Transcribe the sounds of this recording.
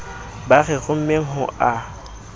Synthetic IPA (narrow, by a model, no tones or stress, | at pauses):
baɣɛɣʊm̩meɦʊʔa